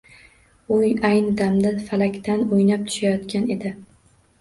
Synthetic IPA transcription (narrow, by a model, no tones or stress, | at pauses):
ʊjajnɪd̪amd̪afalakʲt̪ʰanojnap̚t̪ʰʊ̥ʃajɒt̪kʲʰane̞d̪ɪ